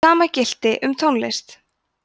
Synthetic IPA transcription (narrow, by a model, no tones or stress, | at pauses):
aːmacɪl̥t̪ɪʔʏmt̪ʰownlḛɪst̪